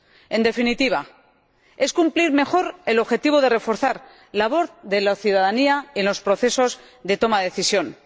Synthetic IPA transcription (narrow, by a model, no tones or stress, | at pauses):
e̞nd̪e̞finit̪iβ̞a | e̞skumpliɾme̞xo̞ɾe̞lo̞βxet̪iβo̞ðe̞re̞fo̞ɾθaɾ | laβo̞θðe̞laθjuðaðaniaenlo̞spɾo̞θe̞so̞z | ðe̞t̪o̞maðeθisjo̞n